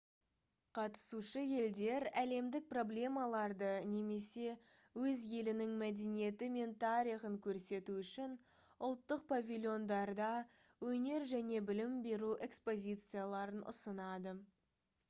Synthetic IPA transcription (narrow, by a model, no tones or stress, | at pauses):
qʰɑt̪ə̥suʃəje̞ld̪e̞ɾæle̞md̪ɪk̚pro̞blʲe̞mɑlˠɑɾd̪əne̞me̞se̞ | wɵzje̞lɪnɪŋmæd̪e̞nije̞t̪ɪme̞nt̪ʰɑɾiχəŋkʲʰɵɾse̞t̪uʏʃɪn | ʊlˠt̪ːəq̚pʰavʲilʲjo̞nd̪ɑɾd̪ɑ | wɵne̞ɾʒæne̞bɪlɪmbe̞ɾuʔe̞kspo̞zʲit̪sɨjalˠɑɾənʔʊ̰sənɑd̪ə